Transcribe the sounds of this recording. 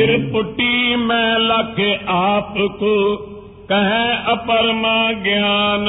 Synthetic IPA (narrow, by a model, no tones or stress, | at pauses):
ɪɾpʊʈimẽːlakʰeʔaːpko | kɐɦẽɐpəɾmãːɡɪjaːn